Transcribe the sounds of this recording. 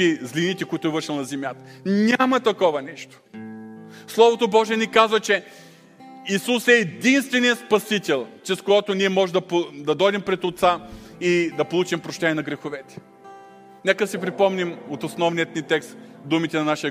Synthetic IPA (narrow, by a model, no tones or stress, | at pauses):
izlinit̪ɛkoit̪ʊɛvəɾʃɛlˠnɐzɛmʲjat̪ə̥nʲamɐt̪ɐkɔvɐnɛʃt̪o̥ | slˠɔvot̪obɔʒɛɛnikazvɐt͡ʃɛ | isusɛːd̪inst̪vɛnijəspɐsit̪ʲɛlˠt͡ʃɛskojɔt̪oniɛmɔʒd̪ɐpod̪ɐd̪ɔjd̪ɛmpɾɛt̪ot̪said̪ɐpolˠut͡ʃimpɾoʃt̪ɛnijɛnɐɡɾɛxovɛt̪ɛ̥ | nɛkəd̪ɐsɛpɾipɔmnimot̪osnɔvnijət̪nit̪ɛkst̪ | d̪umit̪ɛnɐnaʃijə